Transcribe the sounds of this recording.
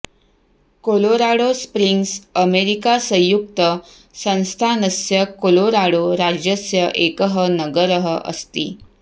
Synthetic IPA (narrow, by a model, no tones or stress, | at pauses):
koloɾaɽospɾiŋɡsəmeɾikasə̃juk̚t̪ə | sə̃w̃st̪ʰanəsjəkoloɾaɽoɾad͡ʑjəsjəʔekəɦənəɡəɾəɦəʔə̰st̪ḭː